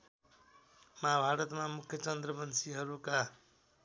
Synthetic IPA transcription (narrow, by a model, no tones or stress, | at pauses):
maabʱaɾʌt̪mamukʰjʌt͡sʌnd̪rʌmʌnsiɦʌɾuka